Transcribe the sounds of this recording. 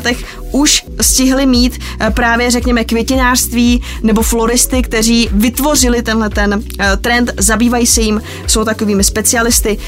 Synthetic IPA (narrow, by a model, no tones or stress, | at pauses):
t̪ɛx | ʔuʃ | scɪɦlɪmiːt̪ | pɾaːvjɛrɛkɲɛmɛkvjɛcɪnaːr̥st̪viː | nɛbo̞flo̞ɾɪst̪ɪkt̪ɛr̝iːvɪt̪vo̞rɪlɪt̪ɛnɦlɛt̪ɛn | t̪ɾɛnt̪zabiːvajiːsɛjɪm | so̞wt̪ako̞viːmɪspɛt͡sɪalɪst̪ɪ